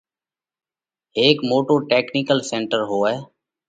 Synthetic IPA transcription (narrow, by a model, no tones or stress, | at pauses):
eːkmoːʈoːʈeːkniːkəlsẽːɳʈəɾɦoːɛː